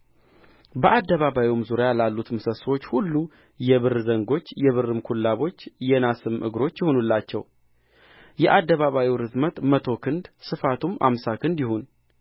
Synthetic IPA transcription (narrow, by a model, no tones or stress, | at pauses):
bəʔad̪ːəβaβawiwmzuɾjjalalːut̪mɨsəswo̞t͡ʃːhulːu | jɛβɨrzəŋɡo̞t͡ʃːjɛβɨrɨmkʰulːaβo̞t͡ʃːjɛnasɨmʔɨ̰ɡɾo̞t͡ʃːjɪho̞nulːat͡ʃːɛ̰w | jɛʔad̪ːəβaβawiwɾɨzmət̪ʼmət̪ʰo̞kʰɨnd̪sɨfat̪ʰumʔa̰msakʰɨnd̪jɪhun